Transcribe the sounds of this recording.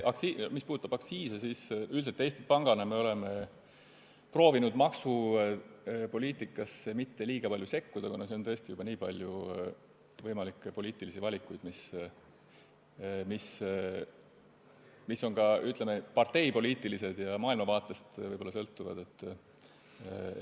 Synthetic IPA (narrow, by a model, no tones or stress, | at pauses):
ʔɑksimispuːd̪ut̪ːˑɑbɑksiːsesisyls̬et̪ːˑejst̪ipɑŋɡ̥ɑnɑme̞o̞le̞me | pro̞ːvinud̪̥mɑksu | po̞lʲiːt̪ːˑikːˑɑsemit̪ːe̞liːɡ̥ɑpɑlʲjuse̞kːud̪ɑkunɑseont̪ɤ̞est̪ijub̥ɑniːpɑlʲju | vɤjmɑlikːˑepo̞lʲiːt̪ilisivɑlʲikːˑujd̪̥mis | mis | misːo̞ŋkɑyt̪ˑlemepɑrt̪e̞jpo̞lʲiːt̪ːˑilise̞d̪̥jɑmɑːilmɑvɑːt̪ˑːest̪vɤjb̥o̞lːɑsɤlt̪ːˑuvɑ̰d̪̥e̞t̪ː